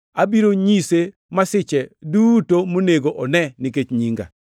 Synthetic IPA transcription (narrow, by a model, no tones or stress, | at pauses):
abiɾoɲise | masɪt͡ʃɛdutomoneɡoʔɔnɛnɪket͡ʃɲiŋɡa̰